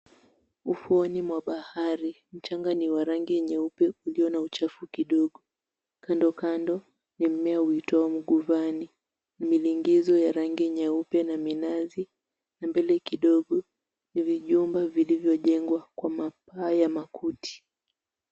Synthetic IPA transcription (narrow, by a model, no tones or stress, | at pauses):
ufuɔnimwaɓahaɾi | m̩t͡ʃaŋɡaniwaɾaŋɡijɛɲɛupɛuliɔnaut͡ʃafukiɗɔɠɔ | kandɔkandɔ | nim̩mɛahuitɔam̩ɠuvani | nimiliŋɡizɔjaɾaŋɡiɲɛupɛnaminazi | nambɛlɛkiɗɔɠɔ | niviʄumbavilivjɔʄɛŋɡwakwamap̚aːjamakʰutʰi̥